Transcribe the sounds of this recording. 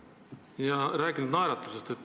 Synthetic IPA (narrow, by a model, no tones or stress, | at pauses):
jɑɾæːkinud̪nɑjɾɑt̪ːˑu̥se̞st̪et̪ːˑ